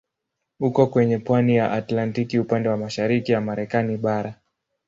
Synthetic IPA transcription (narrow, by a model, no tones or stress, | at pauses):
hukɔkwɛɲɛpwanijaʔatlantikiupandɛwamaʃaɾikijamaɾɛkaniɓaɾa